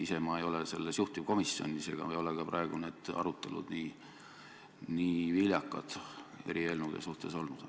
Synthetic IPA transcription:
ise̞mɑejo̞lese̞̰lːesjuht̪iko̞misːjo̞̰nʲːise̞ɡ̥ɑ̰ejo̞lekɑprɑeɡ̥une̞ːd̪̥ɑ̰ɾut̪ːˑe̞lṵd̪̥niː | niːviljɑkˑːɑ̰d̪̥e̞ɾie̞lnud̪̥e̞̰suht̪e̞so̞lnud̪̥

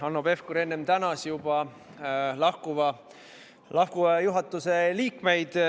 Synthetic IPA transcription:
ɑnːobe̞fkuɾe̞nːemt̪ænɑsjub̥ɑ | lɑhkuvɑ | lɑhkuvɑjuɦɑt̪ːˑuse̞liːkme̞jd̪̥

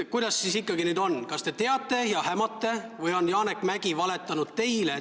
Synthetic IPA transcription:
kujd̪̥ɑsːiːsikːɑɡinyːd̪o̞nkɑst̪e̞t̪e̞ɑt̪ˑːe̞jɑhæmɑt̪ːˑe̞vɯjo̞njɑːnekːˑmæɡ̥ivɑle̞t̪ːˑɑnud̪̥̚t̪e̞jle

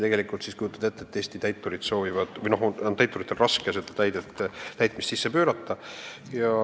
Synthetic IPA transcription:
t̪e̞ɡelikːˑult̪siskujut̪ːˑɑd̪et̪ːe̞t̪ːeːsʲt̪it̪æjt̪ːˑuɾid̪̥so̞ːvivɑd̪̥vɯjno̞ɦont̪æjt̪ːˑuɾit̪ˑːelrɑskeset̪ːet̪æjd̪et̪ːt̪æjt̪ˑmist̪sisːepø̞ːɾɑt̪ːɑjɑ

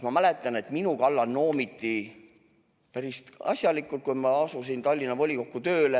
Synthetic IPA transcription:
mɑmæle̞t̪ːˑɑne̞t̪minukɑlːɑnno̞ːmit̪ːˑi | pæɾist̪ɑ̰sʲjɑlikːˑult̪̚kujmɑɑsusint̪ɑlʲːinɑvo̞lʲiko̞kːut̪ø̞ːle

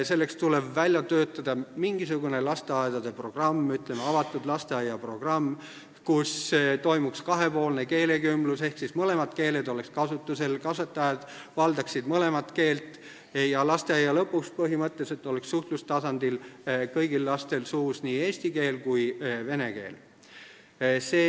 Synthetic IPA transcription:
se̞lːe̞kst̪ule̞bvælʲjɑt̪øːt̪ːˑɑd̪̥ɑmiŋɡisuɡune̞lɑst̪eɑed̪̥ɑd̪̥e̞pro̞ɡ̥rɑmːyt̪ːle̞meɑvɑt̪ːˑud̪lɑst̪e̞ɑjːɑpro̞ɡ̥rɑmː | kust̪o̞jmukskɑɦe̞po̞ːlne̞ke̞ːle̞kymlusehksismɤle̞mɑd̪̥ke̞ːle̞d̪o̞le̞kskɑsut̪ːˑuse̞lkɑsvet̪ːˑɑjɑd̪̥ | vɑld̪ɑksid̪̥mɤle̞mɑt̪ke̞ːlt̪ˑ | jɑlɑst̪eɑjːɑlɤpːˑuspɤɦimɤt̪ˑːe̞se̞t̪ːˑo̞le̞ksːuht̪lust̪ɑsɑnd̪̥ilkɤjɡ̥ilːɑst̪e̞lsuːsniːe̞ːsʲt̪ike̞ːlkujve̞ne̞ke̞̰ːl | seː

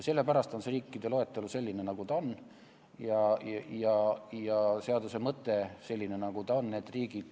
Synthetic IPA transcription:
se̞lːe̞pæɾɑst̪o̞nse̞ɾiːkːid̪̥e̞lo̞e̞t̪ːˑeluse̞lʲːine̞nɑɡ̥ut̪ɑon | jɑjɑjɑse̞ɑd̪use̞mɤt̪ːˑe̞se̞lʲːine̞nɑɡ̥ut̪ɑo̞nne̞ːd̪riːɡ̥id̪̥

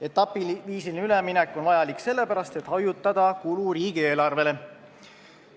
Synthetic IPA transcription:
e̞t̪ːˑɑpːˑiviːsilinyleminɛkːˑo̞nvɑjɑlikse̞lːe̞pæɾɑst̪e̞t̪hɑjut̪ːˑɑd̪̥ɑkuluɾiːɡ̥ie̞ːlɑrve̞le̞

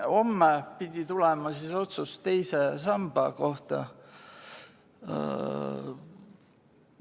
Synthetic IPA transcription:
o̞mːepid̪ʲit̪ulemɑsiso̞t̪sust̪e̞jse̞sɑmb̥ɑko̞ht̪ɑ̰

